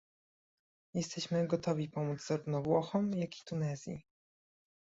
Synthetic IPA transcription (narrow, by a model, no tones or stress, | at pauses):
jɛst̪ɛɕmɘɡɔt̪ɔvʲipɔmud̪zzaɾuvnɔvwɔxɔmjakʲi̥t̪unɛzʲjḭ